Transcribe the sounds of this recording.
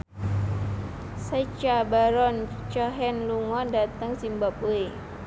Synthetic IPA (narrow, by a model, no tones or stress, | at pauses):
sat͡ʃabaɾɔnt͡ʃɔɦɛnluŋɔndat̪əŋsimbap̚ue